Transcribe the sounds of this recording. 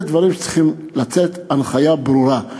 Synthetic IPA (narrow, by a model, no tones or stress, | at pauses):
d̪vaɾimʃe̥t͡si̥χim | lat͡set̪anχajabɾuɾa